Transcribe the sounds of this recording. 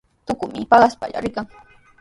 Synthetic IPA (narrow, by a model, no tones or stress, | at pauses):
t̪ʊkʊmɪpɑɢɑaspa̰ʎa̰ɾɪkaŋ